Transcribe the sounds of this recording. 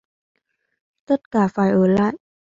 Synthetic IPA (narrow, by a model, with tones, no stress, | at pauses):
t̪ə˦˥t̚kaː˧˩faː˧˩jʔəː˧˩la̰ː˧˨jʔ